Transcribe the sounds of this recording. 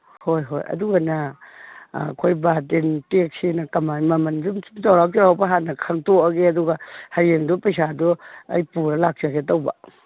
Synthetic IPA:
hojɦo̰jɐ̰duɡana | kʰojbadentek̚sinakɐmajmɐmɐnd͡ʒumsʰimtawɾaw̚t͡ʃeɾawpaɦanːɐkʰaŋtɔaɡeɐduɡahajeŋdɔpɐjsadɔɐ̰jpuɾɐlak̚sakʰetawba̰

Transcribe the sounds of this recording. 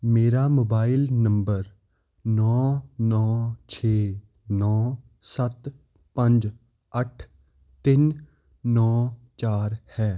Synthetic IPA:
meːɾaːmoːbaːɪlnəmbəɾ | nɔːnɔːt͡ʃʰeː | nɔː | sət̪ | pə̃ɲd͡ʒ | əʈʰ | t̪ɪnː | ɔːt͡ʃaːɾhɛː

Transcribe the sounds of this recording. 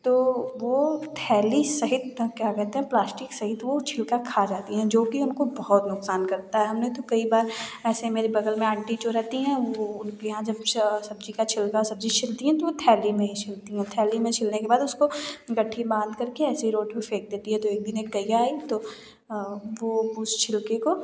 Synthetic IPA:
t̪oːʋot̪ʰɛːlisɐɦɪt̪kjaːkɛɦt̪eɦɛ̃plaːsʈɪksɐɦɪt̪ʋot͡ʃʰɪlkakʰad͡ʒaːt̪iɦɛ̃d͡ʒoːkiʊnkobɐɦɔt̪nʊksaːnkɐɾt̪aɦɛɦɐmnet̪okɐibaːɾɛːsemeːɾibɐɡəlmẽəɖːid͡ʒoɾɛɦt̪iɦɛ̃ʋoʊnkeɦãd͡ʒɐbsɐbd͡ʒikat͡ʃʰɪlkasɐb̚d͡ʒit͡ʃʰɪlt̪iɦɛ̃t̪oʋot̪ʰɛːlimẽɦit͡ʃʰɪlt̪iɦɛ̃t̪ʰɛːlimẽt͡ʃʰɪlnekebaːd̪ʊskoɡɐʈʰːibãːd̪kɐɾkeɛːseɾoːʈmẽfʰeːk̚d̪eːt̪iɦɛ̃t̪oeːk̚d̪ɪneːk̚ɡɐijaaːit̪o | ʋobʊːst͡ʃʰɪlkeko

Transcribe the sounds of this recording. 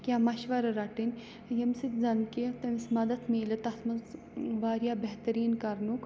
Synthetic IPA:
kʲjaːmɐʃʋɐɾɐɾaʈinʲ | jɐmsit̪zɐnket̪ɐmismɐd̪ɐt̪ʰmeːlɐt̪ɐsmɐs | ʋaːɾjaːbeɦt̪ɐɾiːnkɐɾnuk

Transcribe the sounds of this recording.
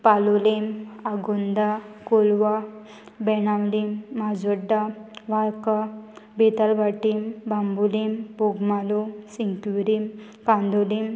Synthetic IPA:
palulimaɡond̪akolʋa | benawɽimːad͡zɔɖaʋaɾkabit̪albaʈimbambulimbuɡmalusiŋt̪uɾim | kand̪olim

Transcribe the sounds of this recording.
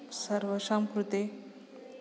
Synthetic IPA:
səɾʋəʃamkɾut̪e

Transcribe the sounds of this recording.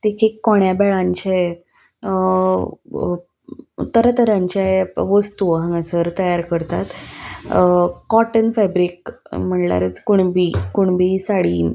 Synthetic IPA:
t̪ekʰikːɔɳjabɛɭãɲt͡ɕe | t̪əɾət̪əɾãɲt͡ɕeʋəst̪uɦãŋɡasəɾt̪əjaɾkəɾt̪at̪ | kɔʈənfɛbɾikm̤əɳla̰ɾət͡skuɳbikuɳbisaɽiːn

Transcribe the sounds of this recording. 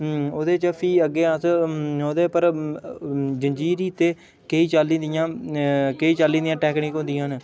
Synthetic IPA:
oːd̪eːt͡ʃəpʰiːəɡeːãsɦoːd̪eːpəɾ | d͡ʒəɲd͡ʒiːɾiːt̪ːeː | keiːt͡ʃaːlĩːd̪ijãːkeiːt͡ʃaːlĩːnd̪ijãːʈɛːkniːkɦõnd̪ĩːɦn

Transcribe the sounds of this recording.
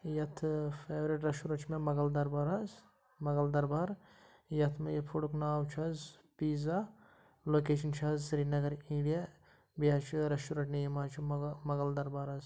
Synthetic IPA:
jɐt̪ʰfʰeːwɾiʈɾɐʃuɾɐt͡ʃʰmemɐɡɐld̪ɐɾbaɾɐz | mɐɡɐld̪ɐɾbaːɾ | jɐt̪ʰmejɐpʰuɽuknaːwt͡ʃʰɐzpiːza | loːkeːʃɐnt͡ʃʰaːzsɾiːnɐɡɐɾĩːɽijɐ | biat͡ʃʰiɾɐʃuɾɐʈnijmaːt͡ʃʰumɐɡɐld̪ɐɾbaːɾɐz

